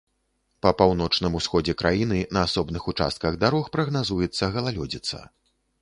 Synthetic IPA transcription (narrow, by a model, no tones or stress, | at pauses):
pɐpawnɔt͡ʂnɨmusxɔd͡zʲɛkɾʔajinɨnɐːsɔbnɨxut͡ʂa̰st̪̚kɐɣd̪aɾɔxpɾɐɣnazujɛt̪sːɐɣɐlˠalʲɔd͡zʲit̪sɐ̰